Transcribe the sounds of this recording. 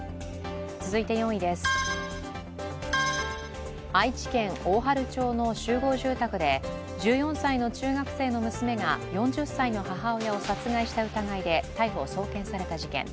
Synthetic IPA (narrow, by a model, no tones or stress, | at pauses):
t͡sɨzɨit̪e̞jõ̞ɰ̃id̪e̞sɨ̥ | ait͡ɕi̥kẽ̞ŋoːɦaɾɯ̟t͡ɕo̞ːno̞ɕɨːɡo̞ːʑɨːt̪akɯ̟d̪e̞ | d͡ʑɨːjõ̞saino̞t͡ɕɨːɡakɯ̟̥se̞ːno̞mɯ̟sɨme̞ɡajõ̞ɲ̟d͡ʑɨsːaino̞haɦao̞jao̞sat͡sɨɡaiɕi̥t̪aɯ̟t̪aɡaid̪e̞t̪aiɸo̞̰ːso̞ːkẽ̞ɰ̃saɾe̞t̪aʑikḛ̃ŋ